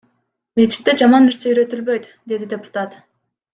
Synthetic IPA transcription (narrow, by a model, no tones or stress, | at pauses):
met͡ʃʰi̥t̪ːed͡ʒɑmɑnːeɾse̞yɾø̞t̪ylbø̞jt̪ | d̪e̞d̪id̪ʲepʊ̥t̪at̪